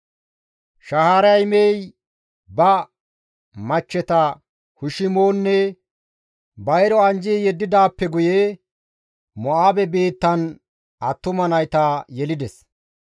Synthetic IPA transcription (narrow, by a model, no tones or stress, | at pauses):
ʃɐhaːɾɐjmej | bɐ | mɐt͡ʃːɛt̪ɐ | hʊʃɪmoːnːɛ | bɐjɾɔɐnd͡ʒiːjɛd̪ːɪd̪aːpːɛɡʊje | mɔʔaːbɛbeːt̪ːɐn | ʔɐt̪ːʊmɐnɐjt̪aːjɛlɪd̪ɛs